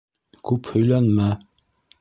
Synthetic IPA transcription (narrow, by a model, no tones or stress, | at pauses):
kʉphɵ̆jlænmæ